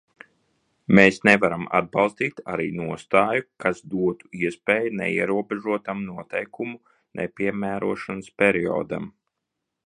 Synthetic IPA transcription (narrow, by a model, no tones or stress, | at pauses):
meːsnɛvaɾama̰d̪̚bɑlˠst̪iːt̪a̰ɾḭːnuɔst̪aːjukasd̪uɔt̪u̥iɛspɛːjunɛ̰ḭɛɾuɔbɛʒuɔt̪amnuɔt̪ɛjkumu | nʔɛ̰pʲiɛmæːɾuɔʃanspʲɛɾiɔ̰ːd̪a̰m